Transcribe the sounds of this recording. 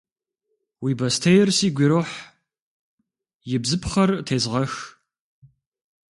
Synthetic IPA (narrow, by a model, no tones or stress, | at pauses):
wiːbɐstʰɐjɪrsiːɡʷɪɾoħ | jɪbzɨpχɐrtʰeːzʁɐx